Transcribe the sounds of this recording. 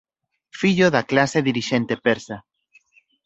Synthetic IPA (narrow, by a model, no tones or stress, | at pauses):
fiʎoðaklaseðiɾiʃent̪epeɾsa